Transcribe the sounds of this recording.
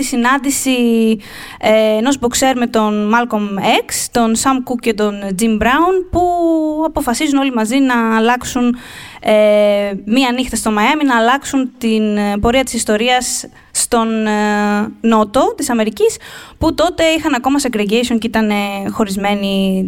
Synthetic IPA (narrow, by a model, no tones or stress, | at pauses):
t̪isinɐnd̪isi | eːnozbokse̞ɾme̞t̪o̞nmɐlkomekst̪o̞nsɐmkukce̞t̪o̞nd͡zimbɾɐunpuɐpo̞fɐsizuno̞limɐzinɐːlɐksun | emiɐːnixt̪ɐst̪o̞mɐjɐminɐːlɐksunt̪inpo̞ɾiɐt̪isist̪o̞ɾiɐsː | t̪o̞nː | o̞t̪o̞t̪isɐme̞ɾicisput̪o̞t̪e̞ixɐnɐko̞mɐsekɾeɟejsioncit̪ɐne̞xo̞ɾizme̞ni